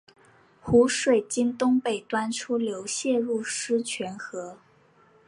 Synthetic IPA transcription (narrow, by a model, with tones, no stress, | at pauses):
xu˧˥ʂwe˨˩ɪt͡ɕi˥nt̪ʊ˥ŋpe˥˩ɪt̪wa˥nʈ͡ʂʰu˥ljo˧˥ʊɕjɛ˥˧ɻu˥˩ʂɻ̩˥t͡ɕʰɥɛ˧˥nxɤ˧˥